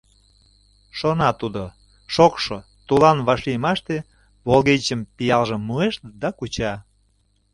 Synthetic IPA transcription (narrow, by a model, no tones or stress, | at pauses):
ʃonɑt̪ud̪o | ʃokʃo | t̪ulɑnβɑʃlijmɑʃt̪e | βolɣet͡ɕəmpijɑlʒəmːueʃd̪ɑkut͡ɕɑ